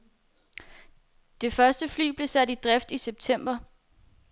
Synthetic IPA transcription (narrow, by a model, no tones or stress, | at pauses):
d̥e̝fɶɐsd̥əfly̰ːb̥le̝sæd̥id̥ʁɛfd̥iseb̥̚t͡sʰem̰b̥ɐ